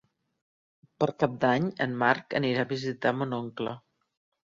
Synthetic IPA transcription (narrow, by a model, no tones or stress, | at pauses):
pəɾkap̚d̪aɲənmaɾkə̰niɾaβizit̪amunoŋklə̰